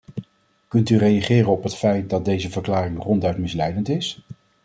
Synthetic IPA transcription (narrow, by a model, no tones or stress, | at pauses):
kɵntyrejaχɪːrənɔpɦətfɛjt̚dɑt̚dejzəvəɹklaːrɪŋrɔndœɥtmɪslɛjdəntɪs